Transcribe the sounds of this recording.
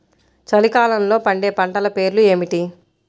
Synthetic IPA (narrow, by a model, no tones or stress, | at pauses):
t͡ʃɐlikaːlɐnlo̞ːpɐɳɖeːpɐɳʈɐlɐpe̞ːɾlue̞ːmiʈi